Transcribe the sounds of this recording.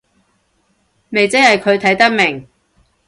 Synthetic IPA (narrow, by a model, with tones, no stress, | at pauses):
me˨jt͡sɪ˥hɐ˨jkʰɵ˨˧ɥt̪ʰɐ˨˥jt̪ɐ˥k̚mɪ˨˩ŋ